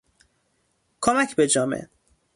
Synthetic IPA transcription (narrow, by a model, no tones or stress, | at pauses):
kʰomæcʰbed͡ʒɒːmḛ